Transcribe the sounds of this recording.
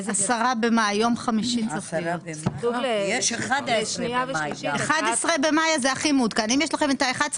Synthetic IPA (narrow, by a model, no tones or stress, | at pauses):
asaʁabemajjo̞mχamiʃit͡safjot | jeʃeχad̪sneavieχad̪esʁebemajazeaχimud̪kanimjeʃlaχemet̪aeχad̪s